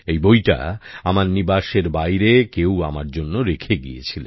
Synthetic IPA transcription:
ejbojʈa̰amaɾnibaʃeɾbajɾekewa̰maɾd͡ʑonːoɾekʰeɡḭḛt͡ɕʰilḛn

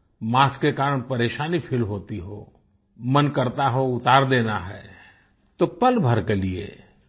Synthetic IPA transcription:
maːskekaːɾəɽ̃pɐɾeːʃaːnipʰɪlɦoːt̪iɦo̰ː | mənkəɾt̪aɦoʊt̪aːɾd̪eːnaɦɛː | t̪opəlbʱəɾkeliḛː

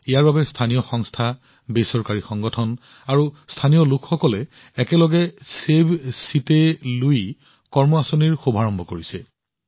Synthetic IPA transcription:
ijaɹbabɛstʰanijɔxɔŋstʰa | besɔɹkaɹixɔŋɡɔtʰɔn | aɹustʰanijɔlukʰxɔkɔlɛː | kɛlɔɡɛsebsitɛluj | kɔɹmɔasoniɹxubʱaɹɔmbʱɔkoɹisɛ

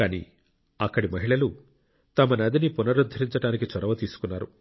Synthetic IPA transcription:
kaːnḭː | ɐkːɐɽimɐɦiɭɐlu | t̪ɐmɐnɐd̪inipunɐɾud̪ʱːɐɾiɲt͡ʃɐɽaːnik̬it͡ʃɔɾɐʋɐt̪iːsu̥kunːaːɾṵ

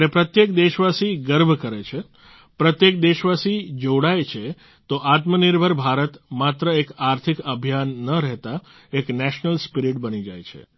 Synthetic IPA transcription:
ɾepɾət̪jek̚d̪eʃʋasiɡəɾbʱkəɾet͡ʃʰe | pɾət̪jek̚d̪eʃʋasid͡ʒoɽajt͡ʃʰe | t̪oʔat̪məniɾbʱəɾbʱaɾət̪mat̪ɾəekaɾt̪ʰikəbʱijanːəɾɛɦt̪a | eknɛʃnəlspiɾiʈ̚bənid͡ʒajt͡ʃʰḛ

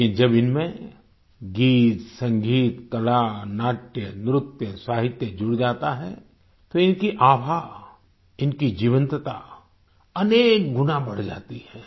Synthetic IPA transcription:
id͡ʒɐbɪnmẽ | ɡiːt̪sɐ̃ŋɡʱiːt̪kɐlanaːʈjənɾʊt̪jəsaːɦɪt̪jəd͡ʒʊɽd͡ʒaːt̪aɦɛ̰ | t̪oɪnkiʔaːbʱaː | ɪnkid͡ʒiːʋə̃nt̪ət̪a | ɐneːk̚ɡʊnabɐɽ̤d͡ʒa̰ːt̪iɦɛ̃ː

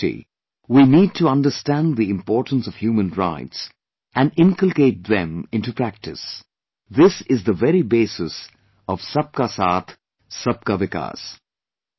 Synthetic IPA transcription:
ḭ | winiːd̚tʰuʌ̃ndəstæ̃nðiɪ̃mpɔːɾʈə̃n̩sɔv̥hjuːmə̃nɹa̰ɪts | æ̃nɪ̃ŋkəlˠkeɪt̚ðɛ̃mɪ̃ntupɾæk̚tɨs | ðɪsɪzðəvɛɾibeːsɪs | ɔv̥sʌp̚kasaːt̪ʰ | sʌp̚kavɪka̰z̥

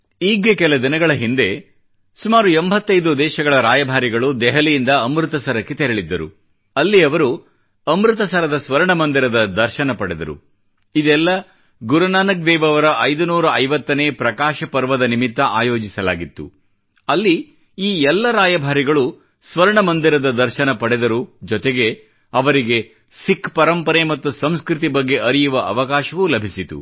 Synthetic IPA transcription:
iːɡekɛlɐd̪inɐɡɐɭɐɦind̪e̞ | sumaːɾuembʱɐt̪ːɐjd̪ud̪ɛːʃɐɡɐɭɐɾaːjɐbʱaːɾiɡɐɭud̪ɛɦɐlijind̪ɐːmɾut̪ɐsɐɾɐkːet̪ɛɾɐɭid̪ːɐɾṵ | ɐlːiɐʋɐɾu | ɐmɾɯt̪̬ɐsɐɾɐd̪ɐsʋɐɾɐɳɐmɐnd̪iɾɐd̪ɐd̪ɐɾʃɐnɐpɐɽɛd̪ɐ̰ɾṵ | id̪ɛlːɐ | ɡuɾɐnaːnɐk̚d̪ɛːʋɐʋɐɾɐʔɐjd̪unuːɾɐɐjʋɐt̪ːɐneːpɾɐkaːʃɐpɐɾʋɐd̪ɐnimit̪ːɐʔaːjo̞ːd͡ʒisɐla̰ːɡit̪ːṵ | ɐlːi | iːɛlːɐɾaːjɐbʱaːɾiɡɐɭu | sʋɐɾɐɳɐmɐnd̪iɾɐd̪ɐd̪ɐɾʃɐnɐpɐɽɛd̪ɐɾud͡ʒɔt̪eɡe̞ | ɐʋɐɾiɡe̞ | sikːpɐɾɐmpɐɾemɐt̪ːusɐmskɾit̪̬ibɐɡːe̞ʔɐɾijuʋɐʔɐʋɐkaːʃɐʋulɐbʱisit̪ṵ

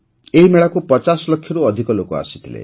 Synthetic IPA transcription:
eɦimeɭakupɔt͡ʃasɔlɔkʰːjɔɾuɔd̪ʱikɔlokɔa̰si̥t̪ʰilḛ

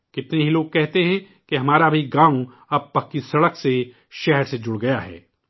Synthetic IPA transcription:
kɪt̪neɦiloːɡ̚kɛɦt̪eɦɛ̃ | keɦɐmaːɾabʱiɡãːw̃ | ɐb̚pɐkːisɐɽəkse | ʃɛɦɛɾsed͡ʒʊɽɡɐjaɦɛ̰ː

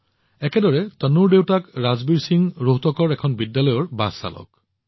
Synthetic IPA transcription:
ɛkɛdɔɹɛtənuɹdewtakɹazbiɹsiŋɹoɦtɔkɔɹɛkʰɔnbidːalɔjɔɹbasa̰lɔ̰k̚

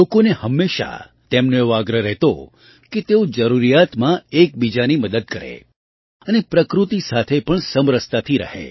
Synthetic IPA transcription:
lokonehəmːeʃa̰ | t̪emnoeʋoaɡɾəɾɛɦt̪o̰ | ket̪eod͡ʒəɾuɾijat̪mãek̚bid͡ʒaniməd̪əd̪̚kəɾḛ | ənepɾəkɾut̪isat̪ʰepəɳsəmɾəst̪at̪ʰiɾə̰ɦḛ

